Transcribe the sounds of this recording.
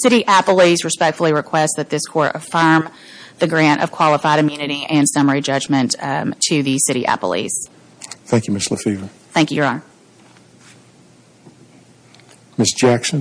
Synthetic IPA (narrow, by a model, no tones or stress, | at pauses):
sɪɾiʔæpl̩ˠizɹɨspɛk̚tfl̩ˠiɹɨkʰw̥ɛstsðɨt̪̚ðɪskʰɔɹɾʔɨ̰fɜ̃˞m | ðɨɡɹæ̃ñtʌ̰v̥kʰw̥ɑlˠəfaɪɾɨ̃mjʉnɨɾiʔɨ̃nsʌmə˞id͡ʒʌd͡ʒmɨ̃nttʰɨðɨsɪɾḭʔæ̰pl̩ˠḭz̥ | θæ̃ŋkjɨmɪstlə̰fivə˞ | θæ̃ŋkjɨjə˞ɑ | mɪsd̥ʒ̥æksɨ̃n